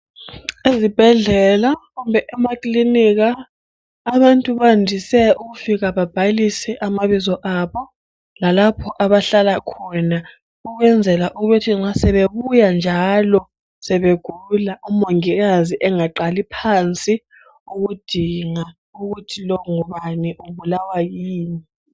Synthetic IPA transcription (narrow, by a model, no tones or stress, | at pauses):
ezib̥ʱɛɮɛlaɣumbʱɛʔɛmakʼlinik̬aː | βantʼuβandʱisɛuɣufiɣ̬aβab̥ʱalisɛʔamaβizɔʔaβɔ | lalapʰɔʔaβaɬalakʰɔna | uɣwɛnd͡zʱɛlaʔuɣutʰiŋ͡ǁasɛβeβujand͡ʒʱalɔ | sɛβeɡ̥ʱululaʔumoŋiɣaziʔɛŋaǃalipʰant͡sʼi | uɣud̥ʱiŋa | uɣ̬utʰilɔŋɔβanɛʔuβulawajiːni